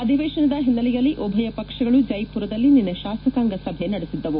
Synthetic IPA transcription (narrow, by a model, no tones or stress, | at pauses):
ɐd̪ʱiʋɛːʃɐnɐd̪ɐɦinːɐlijɐlːiʔɔbʱɐjɐpɐkʂɐɡɐɭud͡ʒɐjpuɾɐd̪ɐlːininːɐʃaːst̪ɐkaːŋɡɐsɐbʱenɐɽesid̪ːɐʋu